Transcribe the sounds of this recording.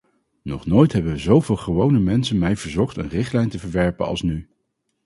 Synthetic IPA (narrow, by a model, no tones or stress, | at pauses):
nɔχnoːjtɦɛbənʋəzowvɪːlˠχəʋownəmɛnsənmɛjvəɹzɔχtə̰nrɪχtlɛjntəvəɹʋɛɹpə̰nɑ̰lˠsny